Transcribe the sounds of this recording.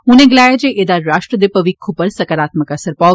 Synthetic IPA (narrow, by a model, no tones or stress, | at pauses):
ʊnẽɡɪlaːjad͡ʒeʔed̪aɾaːʃʈɾəd̪epɐʋikʰːupəɾsɐkəɾaːt̪məkɐsəɾpa